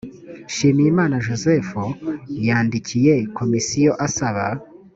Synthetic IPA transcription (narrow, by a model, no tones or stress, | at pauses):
ʃiːmijimaːnaʒoze̞fujaːndicʰije̞ko̞misijo̞ʔasaβa